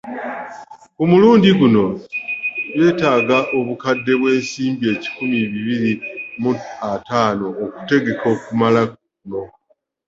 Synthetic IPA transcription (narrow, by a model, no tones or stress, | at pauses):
omuluːndiɡuno̞ | je̞ːtaːɡaʔo̞βukadːe̞βwe̞ːnsiːmbie̞ːci̥kumiβiβiɾimuataːno̞ːku̥te̞ɡe̞kʰo̞ːkumala | uno̞